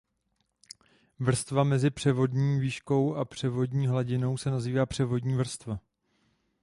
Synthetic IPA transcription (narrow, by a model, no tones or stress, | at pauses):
vr̩st̪vamɛzɪpr̝̥ɛvo̞dɲiːviːʃko̞wʔapr̥ɛvo̞dɲiːɦlaɟɪno̞wsɛnaziːvaːpr̝̥ɛvo̞dɲiːvr̩st̪va